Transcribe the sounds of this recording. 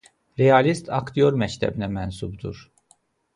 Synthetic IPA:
ɾeɑlist̪ʰɑkt̪ijo̞ɾmæct̪ʰæ̰binæmænsubd̪uɾ

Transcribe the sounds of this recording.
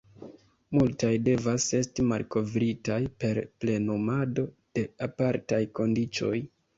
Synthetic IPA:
multajde̞vase̞stimalko̞vɾitajpe̞ɾple̞numado̞ | d̥e̞apaɾtajko̞ndit͡ʃo̞̰j

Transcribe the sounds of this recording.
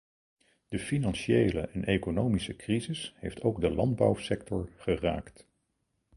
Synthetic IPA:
d̥əfinɑnʃiejləʔɛnʔekonowmisəkrizɪshejftowɡdəlɑnd̚bɑwsɛktɔɹχəra̰ːkt

